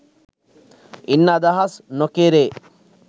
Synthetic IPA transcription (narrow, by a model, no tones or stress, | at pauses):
inːɐd̪ɐɦɐsnokeɾeː